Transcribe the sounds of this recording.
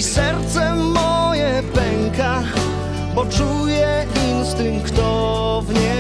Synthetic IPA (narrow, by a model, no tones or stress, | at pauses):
isɛɾt̪sɛmɔjɛpɛŋka | bɔt͡ʂujɛinst̪ɨmkt̪ɔ | vɲɛ